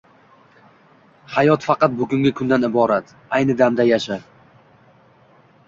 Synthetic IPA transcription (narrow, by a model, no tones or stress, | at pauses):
hajɒt̪fɑqɑt̪̚bʊɡʊŋɡʲakʰʊnd̪anɪbɒɾat̪ | ajnɪd̪amd̪ajaʃa